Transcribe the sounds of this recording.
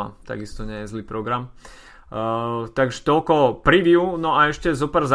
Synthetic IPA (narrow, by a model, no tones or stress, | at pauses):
a̰t̪a̰ɡist̪ɔɲɛjɛzliːpɾɔɡɾam | t̪aɡʒɛ̥t̪ɔlkɔpɾiʋjunɔaɛʃcɛzɔpɛɾza